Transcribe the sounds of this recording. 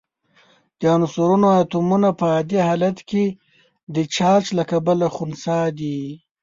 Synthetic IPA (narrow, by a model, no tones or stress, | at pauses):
d̪̥əanusuɾunoat̪umunapəɑd̪ihɑlat̪ke | d̪ət͡ʃɑt͡ʃlakabəlaxunsɑd̪i